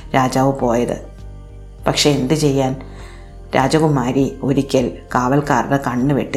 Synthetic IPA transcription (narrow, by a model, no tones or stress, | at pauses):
ɾaːd͡ʑaːʋɨpo̞ːjɐðɨ̰ | pɐkʂe̞end̪ɨt͡ɕe̞jːaːn | ɾaːd͡ʑɐɣumaːɾio̞ɾikʲːɐlkaːʋɐlkaːrɽekɐɳːɨʋḛʈːi